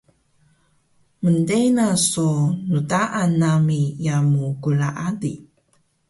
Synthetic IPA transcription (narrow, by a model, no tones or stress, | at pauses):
məndejnasonutaʔanːamijamuɡulaʔadi